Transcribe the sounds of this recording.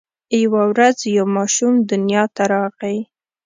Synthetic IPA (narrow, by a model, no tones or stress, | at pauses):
jawawɾazjawmɑʃumd̪ʊnjɑt̪aɾɑɣaj